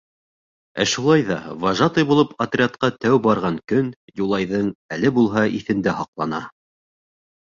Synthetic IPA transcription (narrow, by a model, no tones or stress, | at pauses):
æ̰ʃulˠɑjðɑvɑʒɑt̪ɤjbulˠɤpʰɐt̪rʲɪat̪̚qɑt̪æwbɑɾʁɑŋkɵnjulˠɑjðɤɴælɘbulˠɦɑʔiθɘ̆nd̪æhɑqlˠɑnɑ